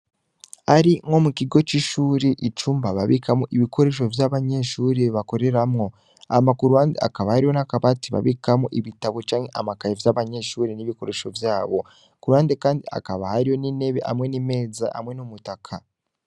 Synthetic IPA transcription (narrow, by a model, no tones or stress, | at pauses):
aɾiŋho̞mukiɡo̞t͡ʃiʃuːɾeʔit͡ʃuːmbaβaβikamoʔiβiko̞ɾe̞ʃ̬o̞vjaβaɲe̞ʃuːɾeβako̞ɾe̞ɾamŋo̞ | a̰makuɾuhaːndea̰kaβahaɾihonakaβatiβa̰βikamoʔiβitaβot͡ʃaːŋhe̞ʔamakajevjaβaɲe̞ʃuːɾeniβiko̞ɾe̞ʃo̞vjaːβo̞ | kuɾuhaːndekaːndia̰kaβahaɾijo̞nine̞βeʔa̰mŋe̞nime̞ːza̰ʔa̰mŋe̞nomutakʰa